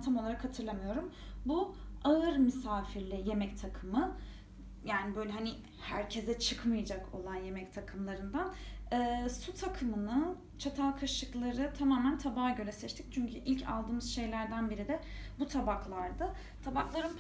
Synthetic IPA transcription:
t̪ʰamo̞lˠaɾakhat̪ʰɯɾlˠamɯjo̞ɾumbuaɯɾmisaːfiɾlʲɛje̞mɛct̪ʰakʰɯmɯ | jaːnibø̞jlʲɛɦanɪ | hæ̰ɾcʰe̞zɛt͡ʃʰɯkmɯjad͡ʒakʰo̞̰lˠanje̞mɛct̪ʰakʰɯmlˠaɾɯnd̪anɯːsut̪ʰakʰɯmɯnɯ | t͡ʃʰat̪ʰalˠkʰaʃɯklˠaɾɯt̪ʰamaːmænt̪ʰabaːɟø̞lʲɛsɛt͡ʃt̪ʰic̚t͡ʃʰyɲcʰyʔilʲcʰa̰lˠd̪ɯːmɯzʃe̞jlʲæɾd̪ænbiɾid̪ɛ | but̪ʰabaklˠaɾd̪ɯ | t̪ʰabaklˠaɾɯm

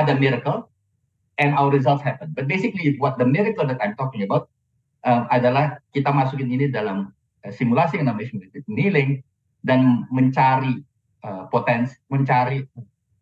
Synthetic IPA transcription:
adəmiɾəkəl | ɛ̃nawərɾizalt̪shɛpənbat̪̚besɪkliɪt̪wɔt̪̚d̪əmiɾikəldət̪ajmt̪ɔk̚ɲabawt̪̚ | ʔəmadalahkit̪amasukɪninidalam | əsimulasiaŋnamɛsmunɛt̪ɪt̪̚nilɪŋ | danməɲt͡ʃaɾi | ʔəpot̪ɛnsi̥məɲt͡ʃaɾiə

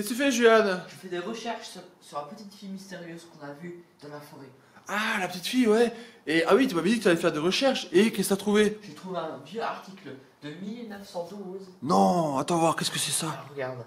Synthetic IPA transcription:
kəst̪yfɛʒyanʒəfɛd̪eʁəʃɛʁʃssyʁlapət̪it̪fijmist̪eʁjøzkɔ̃navyd̪̥ɑ̃lafɔʁe | alapət̪it̪fijwɛeawit̪yavɛd̪ikət̪yalɛfɛʁd̪eʁəʃɛʁʃekɛsat̪χuveʒ̥et̪χuveɛ̃vjøaʁt̪ikl | d̪əmilnəfsɑ̃d̪uznɔ̃at̪ɑ̃vwaʁkʲɛskəsɛsaʁəɡaʁd̪

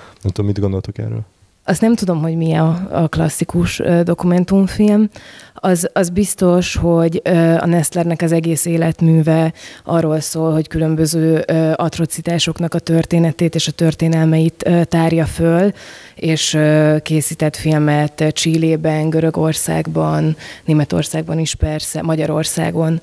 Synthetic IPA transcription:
nɛmt̪ud̪omid̪ɡond̪o̞lt̪okɛ̰rø̰ːl | ɒst̪nɛmt̪ud̪o̞mɦo̞ɟmiɒɒ̰klɒ̰sːikuʃød̪o̞kumɛn̪t̪uɱfilmɒzɒzbist̪o̞ʃho̞ɟøːɒ̰nɛst̪lɛrnɛkɒzɛɡeːseːlɛt̪myːvɛʔɒrːo̞lsoːlho̞ckylø̞mbøzøːøɒt̪ro̞t̪sit̪aːʃo̞knɒkɒt̪ørt̪eːnɛt̪eːt̪eːʃɒt̪ørt̪eːnɛlmɛit̪ːt̪aːrjɒføleːʃøkeːsiːt̪ɛt̪filmɛt̪t͡ʃiːleːbɛŋɡøɾø̞ɡorsa̰ːɡbɒnːeːmɛt̪o̞̰rsaːɡ̚bɒniʃpɛrsɛ̰mɒɟɒɾo̞rsa̰ːɡo̞n

